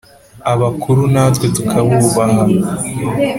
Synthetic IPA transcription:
aβakʰuɾunatɡwetukʰaβuːβaɦa

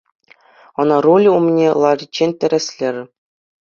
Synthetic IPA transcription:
ɤ̆nɑrulʲumnʲelˠɑrʲit͡ɕːenʲt̪ʲɘ̆ɾʲɘ̆sʲlʲɘ̆rʲɘ

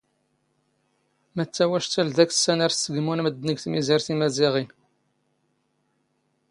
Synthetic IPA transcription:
mət͡sːæwæʃt͡s̪ːælðæksːænæɾsəɡmunməd̪ːnəɡθmiziɾθimæziʁi

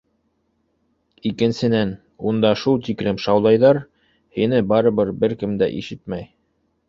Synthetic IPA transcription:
ikɘ̆nsɘ̆næn | und̪ɑʃulˠt̪ikɾɘmʃɑwlˠɑjðɑɾ | hinɘbɑɾɤ̆βɤɾbɘɾkɘmd̪æ̰ʔḭʃɘt̪̚mæj

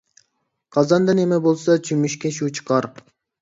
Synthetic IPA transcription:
qʰɑzɑnd̪ɑnemɛbolˠsɑt͡ʃʰymyʃkʲɛʃut͡ʃʰɨ̥qʰɑɾ

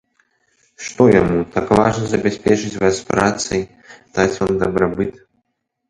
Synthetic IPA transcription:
ʂt̪ɔjamut̪akvaʐnɐzɐbʲasʲpʲɛt͡ʂɨt͡sʲvaspɾat̪sɐj | d̪at͡sʲvamd̪ɐbɾabɨt̪

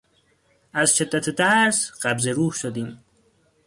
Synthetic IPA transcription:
azʃed̪ːat̪ʰt̪æɾsɢabzeɾuːhʃod̪iːm

